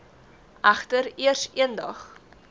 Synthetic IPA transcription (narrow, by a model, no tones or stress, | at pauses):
ʔæχtəɾiərsiəndɐχ